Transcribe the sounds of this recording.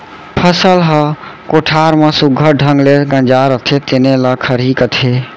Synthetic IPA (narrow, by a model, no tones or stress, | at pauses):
pʰəsəlɦəkoʈʰaɾmẽsuɡʱəɖʱəŋɡleɡə̃nd͡ʒaɾət̪ʰet̪eneləkʰəɾikət̪ʰe